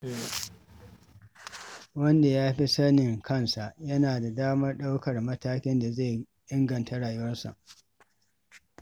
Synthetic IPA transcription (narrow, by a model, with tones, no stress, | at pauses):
wɐ˦nda˨jaː˦ɸi˦sɐ˦nɪ˨ŋkʰɐ˦nsa˨ʔjɐ˦naː˨da˨daː˦mɐ˦rɗa˦wkɐ˨rmɐ˦taː˦kʲɪ˦nda˨ze˦˨j | ʔɪ˦ŋɡɐ˨ntʰa˦ɽaː˨jʊ˦wɐ˦rsa̰˨ʔ